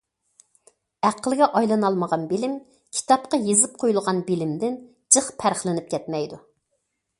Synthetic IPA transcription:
æqʰəlˠɡʲɛʔɑjlˠɑnɑlˠməʁɑnbelɪm | kʲʰi̥t̪ɑp̚qɑjezɪp̚qʰojulˠʁɑnbɪlɪmd̪ɪn | d͡ʒəχpʰæɾχlˠɪnɪp̚kʲʰɛt̪mɛjd̪u

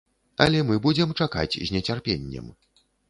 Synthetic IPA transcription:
ɐ̰lʲɛmɨbud͡zʲɛmt͡ʂaka̰t͡sʲzʲnʲɛt͡sʲarpʲenʲːɛ̰m

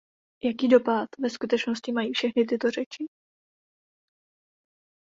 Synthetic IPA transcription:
jakiːdo̞pat̪vɛskut̪ɛt͡ʃno̞scɪmajiːfʃɛxnɪt̪̬ɪt̪o̞rɛt͡ʃɪ

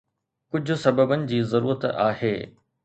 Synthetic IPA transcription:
kʊd͡ʑʱʊ̆sɐbəbənɪ̆d͡ʑiːzɐɾuːɾət̪a̰ːheː

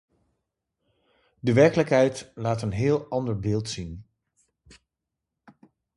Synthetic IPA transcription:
dəʋɛɹkələkɦɛjtlaːtənɦɪːlˠɑndəɹbɪːlˠtsin

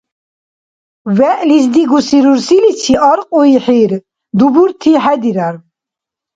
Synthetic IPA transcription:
vɛʔlizd̪iɡusiɾuɾsilit͡sʰiʔɑɾqʼuiħiɾ | d̪ubuɾt̪ʰiħɛd̪iɾaɾ

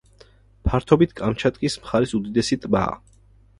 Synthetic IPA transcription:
pʰaɾt̪ʰɔbit̪ʰkʼamt͡ʃʰat̪ʼkʼismχaɾisud̪id̪ɛsit̪ʼba̰ː

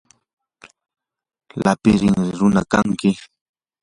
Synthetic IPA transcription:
lapɪɾɪŋɪɾʊnakaŋkɪ

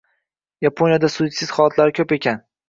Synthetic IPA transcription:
japʰonjad̪asut̪sɪz̥χɒlˠɒt̪ʰlaɾɪkʲʰɵpe̞kʲʰan

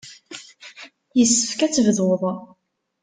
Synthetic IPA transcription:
jəsːə̥fkæt͡sːvðʊðˤ

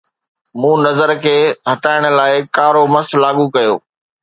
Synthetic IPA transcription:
mũːnɐzəɾkʰeːɦɐʈaːɪɽ̃ʊ̆laːɪkaːɾomɐslaːɠukɐjo̰ː

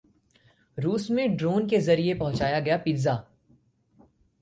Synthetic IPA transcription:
ɾuːsmẽɖɾoːnkezɐɾiepɐɦʊ̃t͡ʃaːjaɡɐjapɪɾzaː

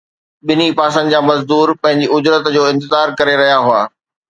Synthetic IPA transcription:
ɓɪnipaːsə̃nɪd͡ʑaːmɐzd̪uːɾpɐ̃ɦɪ̃ɲd͡ʑiʊd͡ʑɾət̪d͡ʑoːɪ̃nt̪ɪzaːɾkɐɾeɾɐɦijaɦʊaː

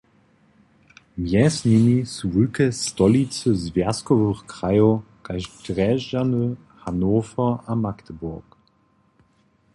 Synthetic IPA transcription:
mjɛsninisuʁykəstɔlit͡søzvɛɐskɔvøχkʁ̥ajoɡ̥aɪʃɡ̥ʁɛʒanø | hanoːfɐamaktəbʊɐk

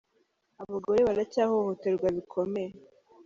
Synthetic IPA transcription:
aβaɡo̞ɾeβaɾacahohote̞ɾɡwaβikʰo̞meje

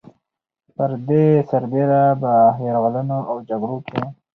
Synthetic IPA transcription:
pəɾd̪esaɾbeɾabəɦeɾɣalənoʔawd͡ʒaɡɽokʰe

